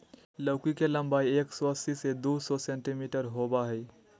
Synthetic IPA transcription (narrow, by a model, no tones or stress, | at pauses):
ləʊkikelə̃mbaːieːksɔəsised̪usɔsẽɳʈimiːʈəɾɦoːbaɦɛi